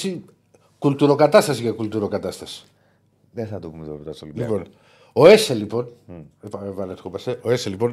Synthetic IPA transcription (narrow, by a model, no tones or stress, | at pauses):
si | kult̪uɾo̞kɐt̪ɐst̪ɐsikekult̪uɾo̞kɐt̪ɐst̪ɐsi̥ | ðeθɐt̪opumet̪opot̪ɐsolilipo̞n | oe̞selipo̞nepvɐnetxopɐseʔoeselipo̞n